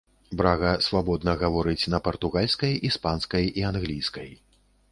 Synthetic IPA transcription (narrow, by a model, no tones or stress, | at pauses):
bɾaɣɐsvabɔd̪nɐɣavɔɾɨt͡sʲnɐpɐrt̪uɣalʲskɐjispanskɐjianɣlʲijskɐj